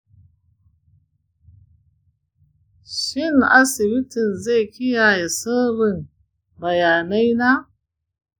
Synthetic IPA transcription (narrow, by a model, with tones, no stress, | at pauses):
ʃɪ˦˨ŋʔa̰˦sɪ˨bɪ˦tɪ˨nze˦˨kʲɪ˦jaː˨ja˨sɐ˦bɪ˨n | bɐ˨jaː˨na˦jna˦